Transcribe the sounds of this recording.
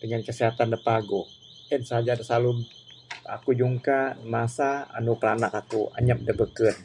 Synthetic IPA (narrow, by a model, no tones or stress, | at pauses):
dəŋankəsiɦat̪andəpaɡʊ | ənsəɦad͡ʒadasalu | a̰kud͡ʒuŋkamasaa̰nupəɾanakakua̰ɲap̚dəbəkət̪̚